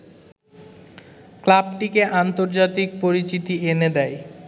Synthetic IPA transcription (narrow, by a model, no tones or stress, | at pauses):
klabʈikeʔant̪oɾd͡ʑat̪ik̚poɾit͡ɕit̪iened̪ɛj